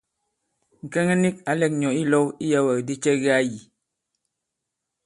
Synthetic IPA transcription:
ŋ̩˨kɛ˦ŋə˦ni˦ka˨lɛ˦˨k̚ɲɔ˨i˦lɔ˦wi˦ja˦wə˨di˦t͡ʃɛ˦ɣa˦ji˨

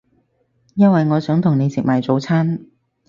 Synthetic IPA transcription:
jɐ˥nwɐ˨jŋɔː˨˧sœː˨˥ŋt̪ʰʊ˨˩ŋne˨˧jsɪ˨k̚mɐː˨˩jt͡so˨˥wt͡sʰaː˥n

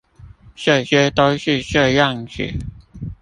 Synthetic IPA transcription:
ɕɛ˥˧˩ɕɥɛ˥t̪o˦ʊɕy˥˧ɕə˥˧jɑ˥˨ŋɕʰy̰˨˩

